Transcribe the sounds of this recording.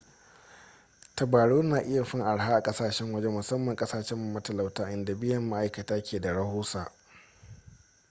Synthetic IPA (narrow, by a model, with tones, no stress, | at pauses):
tɐ˨baː˨ɽoː˦naː˨ʔɪ˦ja˨ɸɪ˦ŋʔa˨ɽɦaː˦ʔa˨kʼɐ˦saː˨ʃɛ˦ŋwɐ˦d͡ʒɛ˦mʊ˨sɐ˦mːɐ˨ŋkʼɐ˦saː˨ʃɛ˦mːa˨mɐ˦tɐ˨la˨wtaː˦ʔɪ˦nda˨bɪ˦jɐ˨mːa˦ʔa˦jkɐ˨taː˦kʲʰeː˨da˨ɽɐ˦hoː˦sa˨ʔ